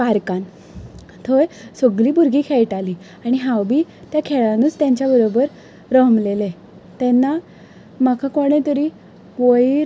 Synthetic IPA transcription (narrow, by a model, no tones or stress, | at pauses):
kaɾkan | t̪ʰojsəɡliːbuɾɡiːkʰeɭʈaliː | aɽ̃iɦawbiːt̪jakʰeɭanuːt͡st̪jãɲt͡ɕjabəɾobəɾ | ɾəɦmlele | t̪ɛnːa | makʰakoɽ̃ẽt̪əɾiː | ʋəjiɾ